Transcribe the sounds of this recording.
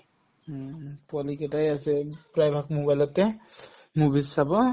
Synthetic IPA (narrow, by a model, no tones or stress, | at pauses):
pualikɛtajasɛpɹajbʱakmobajlɔtːɛ | mubilsabɔ